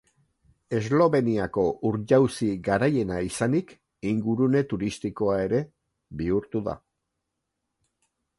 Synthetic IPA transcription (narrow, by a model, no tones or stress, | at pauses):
e̞zlo̞βe̞niako̞ʔuɾʎawsiɡaɾaje̞naisanik | iŋɡuɾune̞t̪uɾist̪iko̞ae̞ɾe̞ | βiuɾt̪uða̰